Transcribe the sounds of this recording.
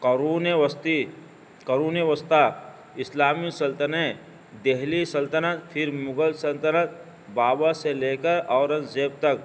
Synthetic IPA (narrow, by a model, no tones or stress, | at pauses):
kɾuːnst̪i | kəɾuːneʋəst̪a | ɪslaːmisəlt̪əne | d̪eɦlisəlt̪ənat̪pʰɪɾmʊɡəlsəlt̪ənət̪̚ | baːbaseleːkəɾɔːɾə̃nzeːp̚t̪ək̚